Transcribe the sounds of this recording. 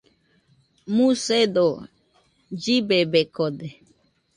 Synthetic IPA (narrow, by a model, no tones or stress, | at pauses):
mũsed̪o | d͡ʒibebekod̪e